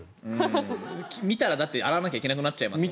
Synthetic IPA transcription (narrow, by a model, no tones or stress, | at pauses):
kʲmʲit̪aɾad̪at̪ːea̰ɾaanakʲaikeakɯ̟nat͡ɕːaima̰sɨi